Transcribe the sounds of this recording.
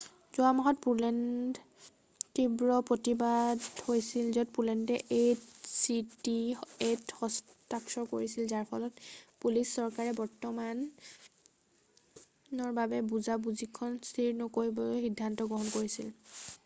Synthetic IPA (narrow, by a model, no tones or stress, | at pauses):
zuamɔɦɔt̚pulɛn | tibɹɔpɹotibadhojsilzɔtpulɛndɛʔesitiethɔs | taksɔkoɹisilzaɹpʰɔlɔtpulisːɔɹkaɹɛbɔɹtɔman | ɔɹbabɛbuzabuzikʰːɔnstʰiɹnɔkoɹibɔxidʱːantɔɡɹɔɦɔnkoɹisil